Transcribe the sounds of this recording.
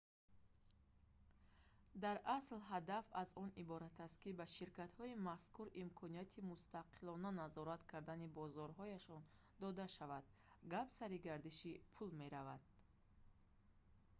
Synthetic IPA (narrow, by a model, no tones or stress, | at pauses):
d̪aɾʔaslɦad̪afazɔnibɔɾat̪ʰast̪̚kibaʃiɾkat̪hɔimaskuɾimkʰɔnijat̪ʰimust̪aqʰilɔnanazɔɾat̪kʰaɾd̪anibɔzɔɾɦɔjaʃɔn | d̪ɔd̪aʃavad̪̥ | ɡapsaɾiɡaɾd̪iʃipʰulme̞ɾavad̪̥̚